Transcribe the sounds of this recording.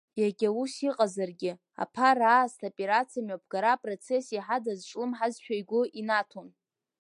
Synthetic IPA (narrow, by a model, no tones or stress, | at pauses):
jaɡʲausiqʼazarɡʲɪ | a̰pʰaraːstʰopʼeɾat͡sʰijamapʰɡ̥aɾapʼro̞t͡sʰe̞siħadazʈ͡ʂʼlɨmħazʃᶣajɡʷʊʔinatʰon